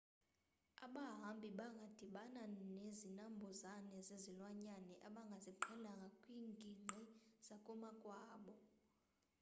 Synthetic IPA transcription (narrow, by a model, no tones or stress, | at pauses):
aɓaɦambʱiɓaŋɡʱad̥ʱiɓananezinambʱɔzanɛzezilwaɲanɛʔaɓaŋɡʱaziǃʰɛlaŋɡʱakʼwiːŋɡʱiŋ͡ǀʱiz̥akʼumakʼwaːɓɔ